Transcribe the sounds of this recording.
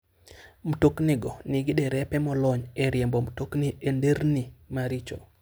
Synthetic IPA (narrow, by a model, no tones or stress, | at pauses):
m̩toknɪɡɔnɪɡɪdɛɾɛpɛmɔlɔɲɛɾjembɔm̩tokniendeɾnimaɾit͡ʃɔ̰